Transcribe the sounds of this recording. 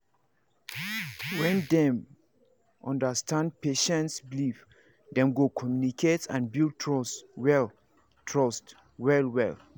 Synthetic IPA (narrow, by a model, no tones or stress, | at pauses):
wɛ̃ndɛ̃m | ʔɔ̰̃ndəstʰãnd̚peʃɛ̃ntsbilif | dɛ̃mɡokʰɔmjunikʰetã̰nbild̚tʰɹɔswɛl | tʰɹɔst | wɛlwɛ̰l